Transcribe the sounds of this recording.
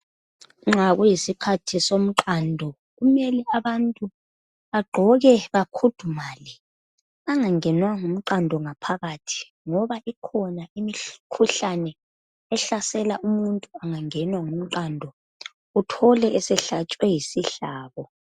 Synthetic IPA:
ŋ͡ǁʱaɣujisikʰatʰisom̩ǃandʱɔ | ɣumɛlɛaβantʼu | βaɡ͡ǃʱɔɣɛβakʰud̥ʱumaːlɛ | aŋaŋɛnwaŋum̩ǃandʱɔŋapʰaɣatʰi̥ | ŋɔβaʔikʰɔnaimikʰuɬanɛː | ɬasɛlaumuntʼuaŋaŋɛnwaŋum̩ǃandʱɔ | utʰɔlɛːsɛɬat͡ʃʼwɛjisiɬaːβɔ

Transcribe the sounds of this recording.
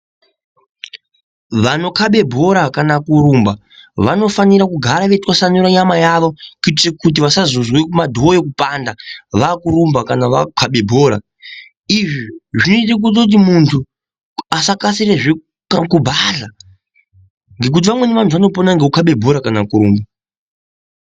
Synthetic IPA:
ʋano̞kʰaɓe̞bʱo̞ɾakanakuɾumba | ʋano̞faniɾakuɡʱaɾaʋetwasanuɾaɲamajaʋo̞kitekut̬iʋasazozwekumadʱoojekupandaʋakuɾumbakanaʋakʰaɓe̞bʱo̞ːɾa̰ | iʐiʐinoit̬ak̬ut̬okut̬imuntʰu | asakasireʐe | kubʱaɮa | ŋɡe̞k̬ut̬iʋamwe̞neʋantʰuʋano̞ponaŋɡe̞ukaɓe̞bʱo̞ɾakanakuɾuːmba

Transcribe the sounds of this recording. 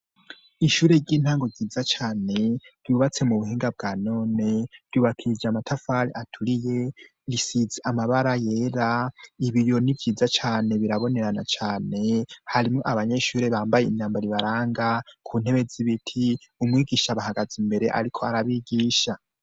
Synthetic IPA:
iʃuːɾe̞ɾɟiːn̥haːŋɡoɡiːzat͡ʃaːne̞ɾ̥juβat͡se̞muβuɦiːŋɡab̚ɡaːno̞ːne̞ɾ̥ɟuːβakʰid͡ʒamatʰafaɾḭʔatʰuɾije̞ | ɾisizeʔamaβaɾaje̞ːɾaiβijo̞nivɟiːzat͡ʃaːne̞βiɾaβo̞ne̞ɾanat͡ʃaːne̞haɾimŋo̞ʔaβaɲe̞ʃuːɾe̞βaːmbaje̞iɲaːmbaɾiβaɾaːŋɡakʰuːn̥he̞βe̞ziβitʰiumŋiːɡiːʃaβahaɡazimbe̞ɾe̞ʔa̰ɾikʰo̞aɾaβiɡiːʃa

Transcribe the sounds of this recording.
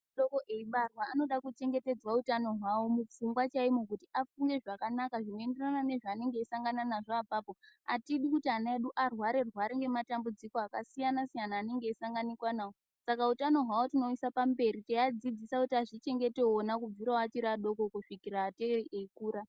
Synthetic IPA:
ɗo̞ko̞ʔeiɓarwaːno̞ɗakut͡ʃe̞ŋɡe̞te̞d͡zwautano̞ɦwawo̞mufuŋɡwat͡ʃaimukutiafuŋɡe̞ʐakanakaʐino̞e̞nde̞ranane̞ʐaːne̞ŋɡe̞ːsaŋɡananaʐoːpaːpo̞atiɗikutianaeɗuʔarwaɾe̞rwaɾeŋɡe̞matambud͡ziko̞akasijanasijanaːne̞ŋɡeːsaŋɡanikwanaːwo | sakautano̞ɦwawotino̞isapambe̞ɾit͡ʃejad͡zid͡zisakutiaʐit͡ʃe̞ŋɡe̞te̞onakub͡viɾawat͡ʃiɾaɗo̞kokuʂikiraːteeriʔeikuːɾa

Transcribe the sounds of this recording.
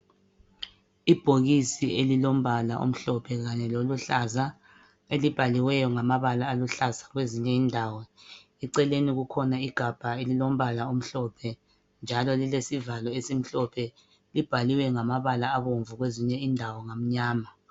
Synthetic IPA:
ib̥ʱoɣisielilom̩βala̰ʔo̰m̩ɬɔpʰɛɣaɲɛloluɬaza | elib̥ʱaliwɛjɔŋamaβalaːluɬazaɣweziɲɛiːndʱaːwɔ | iǀɛleniɣukʰɔnaiɡ̥ʱab̥ʱaelilom̩βalaum̩ɬɔpʰɛ | nd͡ʒʱalɔlilesivalɔesim̩ɬɔpʰɛ | lib̥ʱaliwɛŋamaβalaːβoɱvuɣweziɲɛindʱawɔŋam̩ɲaːma

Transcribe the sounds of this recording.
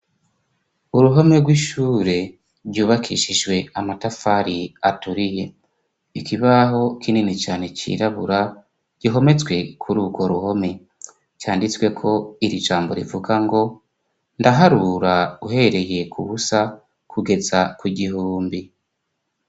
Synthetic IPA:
uɾuɦo̞me̞ɡwiːʃuːɾe̞ | ɾɟuːβakʰiʃiʒɡwe̞amatafaɾiatuɾije̞ | ikiβaɦo̞kʰininit͡ʃaːne̞t͡ʃḭɾaβuɾa | ɟ̥iɦo̞me̞t͡sɡwe̞kʰuɾuːɡwo̞ɾuho̞me̞ | t͡ʃaːndit͡swe̞kʰo̞iɾiʒaːmbo̞ɾḭvuɡaŋɡo̞ | ndaɦaɾuɾauɦe̞ɾe̞je̞kʰuβusa | kʰuɡe̞zakwuɟihuːmbi

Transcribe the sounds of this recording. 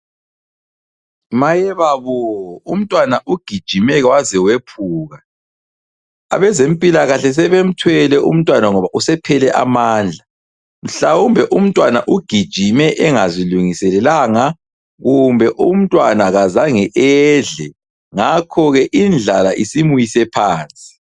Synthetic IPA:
majɛβaβɔum̩tʼwanaʔuɡ̥ʱid̥ʒ̥ʱimɛɣɛwazɛwepʰuːɣa | a̰βɛzempʼilaɣaɬɛs̬ɛβem̩tʰwɛlɛʔum̩tʼwanaŋɔβaʔusɛpʰɛlɛʔa̰maːnd͡ɮʱa | m̩ɬawumbʱɛʔum̩tʼwanaʔuɡ̥ʱid̥ʒ̥ʱimɛʔɛŋaziluŋisɛlɛlaŋa | ɣumbʱɛʔum̩tʼwanaɣazaŋɛʔɛɮɛ | ŋakʰɔɣɛʔind͡ɮʱalaʔisimujisɛpʰaːnt͡sʼi̥

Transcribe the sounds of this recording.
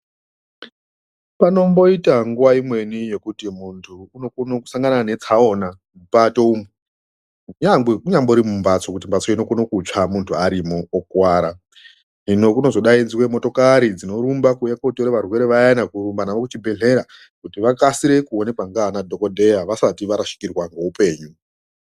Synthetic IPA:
pano̞mbo̞itaŋɡuʋaimwe̞nije̞kutimuntʰuːno̞konoku̥saŋɡanaane̞t͡sao̞na | mupato̞umu | ɲaekuɲamboiɾimumbat͡so̞kutimbat͡so̞ino̞konokut͡ʂamuntʰuaɾimoːkwaːɾa | nino̞kuno̞zo̞ɗainziwe̞mo̞to̞kaɾid͡zino̞ɾumbakujekotoɾeʋarwe̞ɾe̞ʋajanakurumbanaʋokut͡ʃibʱe̞ɮe̞ɾa | kutiʋakasiɾe̞kuo̞ne̞kwaŋɡanadʱo̞ko̞dʱe̞jaʋasatiʋaɾaʃi̥kirwaŋɡo̞upe̞ːɲu

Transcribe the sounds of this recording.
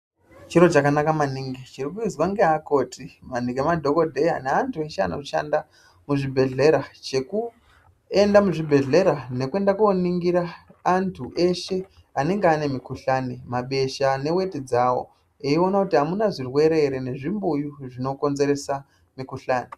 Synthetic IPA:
t͡ʃiɾo̞t͡ʃakanakamaniŋɡit͡ʃirikujud͡zwaŋɡeako̞ːtʰimaniŋɡemadʱo̞ko̞dʱe̞janeantʰue̞ʃea̰no̰ʐiʃa̰nda | muʐibʱe̞ɮe̞ɾat͡ʃe̞ku | e̞ndamuʐibʱe̞ɮe̞ɾane̞kue̞ndakuoniŋɡiɾaːntʰuʔe̞ʃe̞ | ane̞ŋɡeaːne̞mikuɬaːnimaɓe̞ʃane̞we̞tid͡zawo̰ | eio̞nakutiɦamunaʐirwe̞ɾe̞ɾene̞ʐimbujuʐino̞ko̞nze̞ɾe̞sa | mikuɬaːni

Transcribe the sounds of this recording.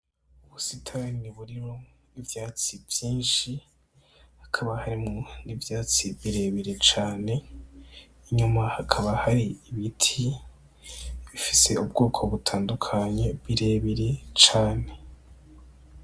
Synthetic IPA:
uβusitʰaɾniβuɾiɾo̞ | ivjaːt͡sivjiːnʃi | hḁkʰaβahaɾimŋonivjaːt͡siβiɾe̞βiɾet͡ʃaːne̞ː | ɲumahakʰaβahaɾiiβitʰi | βifise̞ubɡoːkʰo̞βutʰaːndukʰaɲe̞βiɾe̞βiɾe̞t͡ʃaːne̞

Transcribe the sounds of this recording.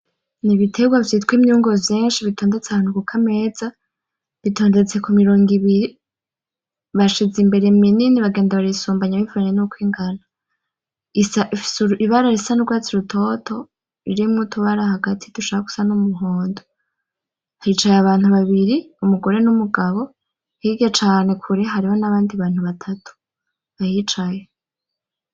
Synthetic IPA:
niβitʰe̞ɡwavjitkwimɲuːŋɡovjeːnʃiβitʰo̞ːndet͡seanukukʰame̞z̥a | βitʰo̞ːnde̞t͡se̞kumiɾoːŋɡiβiɾi | βaʃizimbe̞ɾe̞mininiβaɡe̞ːndaβaɾisuːmbaɲaβivuaɲenukwiːŋɡana | isaʔfi̥suiβaɾaɾisanuɡwaːt͡siɾutʰo̞tʰo̞ | iɾimŋutʰuβaɾahaɡatʰituʃaːβaku̥sanumuɦoːndo | ahit͡ʃajaβaːnhuβaβiɾi | umuɡo̞ɾe̞numuɡaβo̞ | hiɡet͡ʃaːne̞kʰuɾeɦaɾiho̞naβaːndiβaːn̥uβatʰatʰu̥ | βahit͡ʃaje

